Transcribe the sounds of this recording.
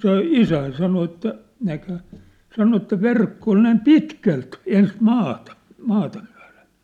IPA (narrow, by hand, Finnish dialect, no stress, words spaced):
se isæin sɑno etːæ nækhæ sɑno etːæ ʋerkːo ol næim pitkælt ens mɑːtɑ mɑːtɑ myæ̝le̥n̥